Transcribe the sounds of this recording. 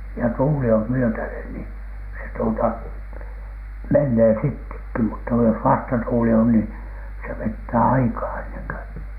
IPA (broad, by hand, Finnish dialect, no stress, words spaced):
jɑ tuːli om myøtænen ni se tuotɑ menːeː sitːekːi mutːɑ jos ʋɑstɑtuːli on niː se ʋetːæː ɑikɑː enːeŋ kø